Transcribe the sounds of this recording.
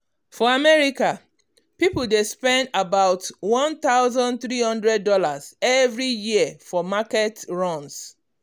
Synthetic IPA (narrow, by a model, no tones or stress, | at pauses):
fɔamɛɹika | pipʊldespɛ̃ndabaʊtwɔ̃nt̪aʊzɔ̃nt̪ɹihʌ̃ndɹɛd̚ːɔlazɛvɹijiəfɔmakɛtɹɔ̃ns